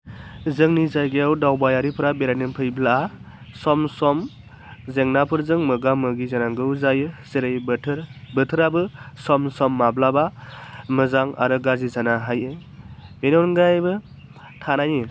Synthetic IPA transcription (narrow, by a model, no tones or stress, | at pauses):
zɯŋnizajɡeawdawbajaɾipʰɯɾabeɾajnɯmpʰɯjblaa | sɔmsɔm | zeŋnapʰɯɾzɯŋmɯɡamɯɡizanaŋɡɯwzajɯseɾɯjbtʰɾbɯtʰɯɾabɯsɔmsɔmːablabamɯzaŋa̰ɾɯɡazizanaɦajɯbenɔɾnɡajbɯ | tʰanajɯ